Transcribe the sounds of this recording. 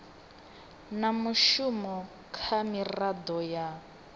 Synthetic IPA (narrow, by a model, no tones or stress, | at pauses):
namuʃumɔ | kʰamirad̪ɔja